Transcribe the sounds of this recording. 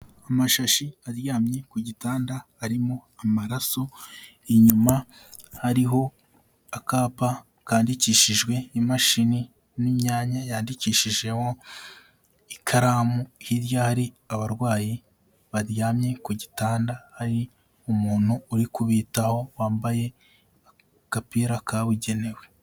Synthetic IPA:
amaʃaʃiaɾjaːmɲe̞kuɟitaːndahaɾimo̞amaɾaso̞ | iɲuma | haɾiɦo̞ | akaːpa | kaːndiciːʃiʒɡwe̞imaʃini | nimɲaːɲajaːndiciːʃiʒe̞ho̞ | ikʰaɾamuhiɾjahaɾi | aβaɾɡwaːji | βaɾjaːmɲe̞kuɟitaːndahaɾi | umuːn̥huːɾikuβiːtaho̞waːmbaje̞ | a | kapiɾakaβuɟe̞ne̞we̞

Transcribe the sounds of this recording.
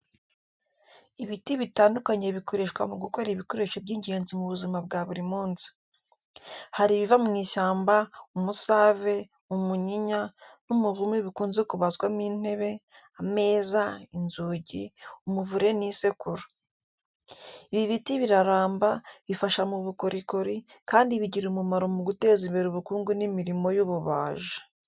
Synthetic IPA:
iβitiβitaːndukaɲe̞βiko̞ɾe̞ʃwamuɡuko̞ɾiβiko̞ɾe̞ʃebɟiːɲɟe̞ːnzimuβuzimab̚ɡaβuɾimuːnzi̥ | haɾiβivamuniːʃaːmbaumusaːve̞ | umuɲiɲanumuɾumiβikuːnzekuβazɡwamiːn̥e̞βe̞ | ame̞ːzainzuːɟiumuvuɾe̞nise̞kuɾḁ | iβiβitiβiɾaɾaːmbaβifaʃamuβukoɾʔikoɾikaːndiβiɟiɾumumaɾomuɡute̞ːzimbeɾuβukuːŋɡunimiɾimo̞juβuβa̰ːʒḁ

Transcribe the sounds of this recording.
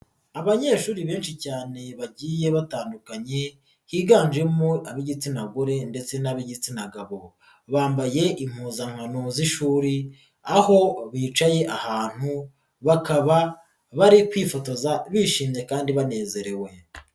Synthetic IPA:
aβaɲe̞ːʃuːɾiβe̞ːnʃicaːne̞βaɟiːje̞βataːndukaɲe̞ | hiːɡaːnd͡ʒe̞muaβiɟit͡sinaɡoɾe̞nde̞t͡se̞naβiɟit͡sinaɡaβo | βaːmbaje̞ʔim̥huːzaŋ̥anoziʃuːɾi | aho̞βiːt͡ʃaje̞ʔahaːn̥hu | βakaβa | βaɾikwiːfo̞to̞zaβiːʃiːmɲe̞kaːndiβane̞ːze̞ɾe̞we̞

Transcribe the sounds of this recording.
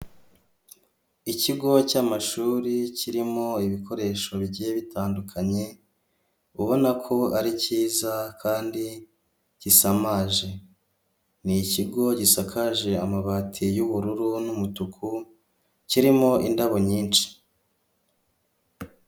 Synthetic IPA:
iciɡo̞camaʃuːɾiciɾimo̞iβiko̞ɾe̞ʃo̞βɟeβitʰaːndukʰaɲe̞ | uβo̞nakʰo̞aɾiciːzakʰaːndi | ɟ̥isamaːʒe̞ | niciɡo̞ɟisakʰaʒe̞amaβaːtʰijuβuɾuɾunumutukʰu | ciɾimo̞ʔindaβoɲiːnt͡ʃi̥

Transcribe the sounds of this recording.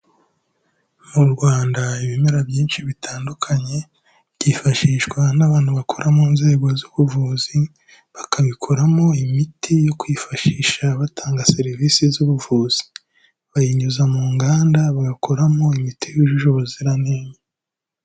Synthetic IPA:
muɾɡwaːndaiβimeɾabjiːnʃiβitʰaːndukʰaɲe̞ | bɟiːfaʃiːʃkwanaβaːn̥huβakʰoɾʔamuːnze̞ːɡozuβuvuːzi | βakaβikʰoɾamo̞imitijo̞kwifaʃiːʃaβatʰaːŋɡase̞ɾivisizuβuvuːz̥i̥ | βajiɲuzamuːŋɡaːndaβaɡakʰoɾamo̞imitʰijuʒuʒoβoziɾaneme

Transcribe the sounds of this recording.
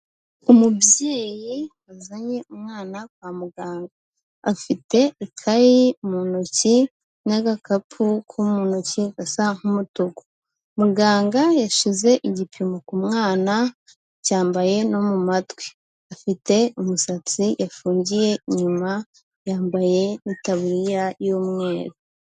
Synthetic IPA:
umubjeːji | azaɲe̞umŋaːnakwaːmuɡaːŋɡaː | fite̞ikʰajimunoci | naɡakapʰukʰumunociɡasaŋ̥humutuko̥ | muɡaːŋɡajaʃize̞ʔiɟipʰimokumŋaːna | caːmbaje̞no̞mumatwe̥ | afite̞umusat͡sijʔafuːɲɟije̞iɲuma | jaːmbaje̞nitaβuɾijajoːmŋe̞ːɾo

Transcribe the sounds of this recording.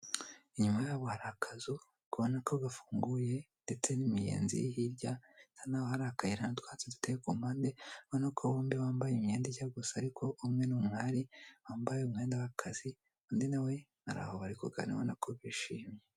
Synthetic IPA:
iɲumajaːβohaɾakʰazu | kuβonakoɡafuːŋɡuje | nde̞t͡se̞nimijḛːnzḭjhiɾɟatanawohaɾaakaiɾanatwaːt͡sedutekumaːndeβonakʰowoːmbiwaːmbajimɲeːndiɟaɡusaːɾikʰo̞ʔumŋe̞numŋaːɾiwaːmbajeumŋe̞ːndawakʰaz̥i | undinawe̞ | ha̰ɾa̰ːhoβaɾikuɡa̰nḭβonakʰoβiʃiːmɲe

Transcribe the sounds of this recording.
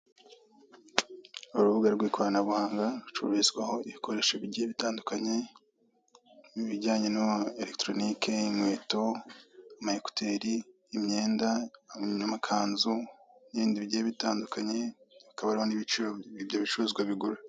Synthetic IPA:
uɾuβuɡaɾɡwiːkʰoɾanaβuhaːŋɡaɾut͡ʃṵβizɡwaho̞iβikʰo̞ɾe̞ʃaβiɟieβitaːndukaɲe̞ | iβiɟaːɲe̞nueɾektɾo̞nikʰe̞imwe̞ːto̞amaheku̥tʰeɾiː | mɲe̞ːndaɲamakʰaːnzuniβiːndiβiɟijeβitaːndukaɲe̞βikaβaɾiho̞niβit͡ʃioiβjoβit͡ʃuɾuzɡwaβiɡuɾe

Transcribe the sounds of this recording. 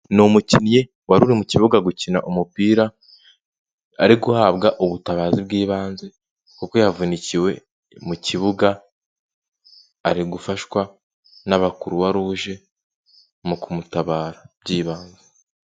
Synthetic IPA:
nomucinje̞ | waɾuɾimuciβuɡaɡucina̰ʔomupiːɾa | a̰ɾiɡuhaβɡaʔoβutaβaːzibɡiːβaːnze | kukojavuniciwe̞ | muciβuɡa | ɾiɡufaʃwa | naβakuɾuβaɾuːʒe̞ | mukumutaβaːɾab̥̚ɟiːβaːnze

